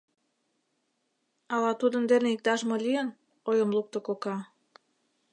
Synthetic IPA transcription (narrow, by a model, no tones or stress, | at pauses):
ɑlɑt̪ud̪ə̆nd̪eneik̚t̪ɑʃmŏlʲiən | ojə̆mluk̚t̪ŏkokɑ